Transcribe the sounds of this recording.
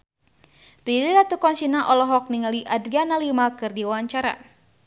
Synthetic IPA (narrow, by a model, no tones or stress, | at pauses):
bɾililat̪ukɔnsinaʔɔlɔɦɔk̚niŋaliʔadɾianalimakɨrdiwawaɲt͡ʃaɾa̰